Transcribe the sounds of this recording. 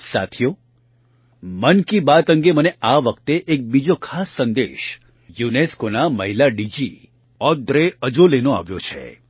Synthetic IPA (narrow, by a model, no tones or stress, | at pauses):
sa̰t̪ʰijo | mənkibat̪ə̃ŋɡeməneʔaʋəkt̪eʔek̚bid͡ʒokʰasːə̃nd̪ḛʃ | juneskonaməɦilaɖid͡ʒi | ɔd̪ɾeəd͡ʒolenoa̰ʋjo̰t͡ʃʰḛ